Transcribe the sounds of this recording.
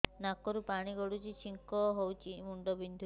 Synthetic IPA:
nakɔɾupaɽ̃iɡɔɽut͡ʃit͡ʃʰiŋkɔɦowt͡ʃʰimuɳɖɔbind̪ʱu

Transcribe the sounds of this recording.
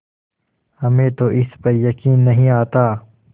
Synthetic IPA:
hɐmẽːt̪oʔɪspɐɾjɐkiːnːɐɦĩaːt̪aː

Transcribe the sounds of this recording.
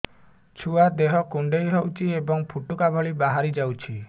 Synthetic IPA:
t͡ʃʰuad̪eɦɔkuɳɖejɦowt͡ʃʰiebɔŋpʰuʈukabʱɔɭibaɦaɾid͡ʒawt͡ʃʰi

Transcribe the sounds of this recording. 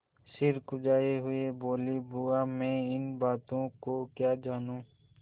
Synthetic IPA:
sɪɾkʊd͡ʒaːeɦʊeboːlibʊamẽːɪnbaːt̪õkokjaːd͡ʒaːnũː

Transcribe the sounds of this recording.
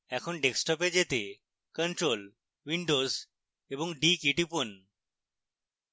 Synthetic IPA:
ɛkʰonɖeksʈɔped͡ʑet̪e | kənʈɾol | wiɳɖoz | eboŋɖikiʈipon

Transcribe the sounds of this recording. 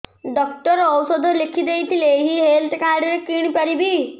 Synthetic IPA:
ɖɔk̚ʈəɾɔwsəd̪əlɪkʰid̪eit̪ʰileɦiɦeːlt̪kaːɾɖeɾekiɽ̃ipɐɾibʱi

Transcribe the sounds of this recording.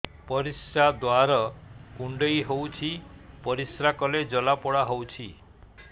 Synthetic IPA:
pɔɾisɾad̪waɾɔkuɳɖɔjɦowt͡ʃʰipɔɾisɾakɔled͡ʒɔlapɔɽaɦowt͡ʃʰi

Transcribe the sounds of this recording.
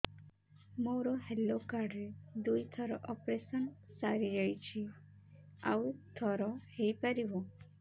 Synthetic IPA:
moɾɔɦelokaɾɖɾed̪ujt̪ʰɔɾɔʔɔpɾesənsaɾid͡ʒəjt͡ʃʰi | a̰wt̪ʰɔɾɔhejpəɾibɔ

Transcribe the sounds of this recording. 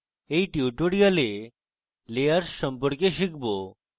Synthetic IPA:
eiʈjuʈoɽiale | lejəɾsəmpəɾkeʃikbo

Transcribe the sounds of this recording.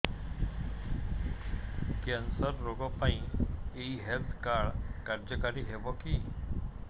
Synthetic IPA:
kɛnsəɾːoɡɔpaĩeiɦɛlt̪ʰkaɽkaɾd͡ʑəkaɾiɦeʋɔkiː

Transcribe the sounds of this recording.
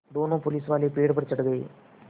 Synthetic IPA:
d̪oːnõːpʊlɪsʋaːlepeːɽpəɾt͡ʃəɽɡəḛː

